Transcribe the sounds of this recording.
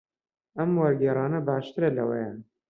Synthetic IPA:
ɐmwɐɾɡɛːrˤɑːnɐbɑːʃt̪ɨɾɐlɐ̰wḛja

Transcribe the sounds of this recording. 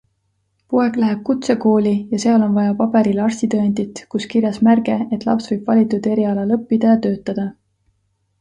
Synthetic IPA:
pue̞klæɦe̞b̥̚kut̪se̞ko̞ːlʲijɑse̞ɑlo̞nvɑjɑpɑbe̞ɾilɑrsʲt̪it̪øend̪it̪kuskiɾjɑsmærɡ̥e̞et̪ːˑlɑ̰psvɤjb̥vɑlʲit̪ːˑud̪̥e̞ɾiɑlɑlɤpːid̪̥ɑjɑt̪ø̞ːt̪ˑːɑd̪̥ɑ

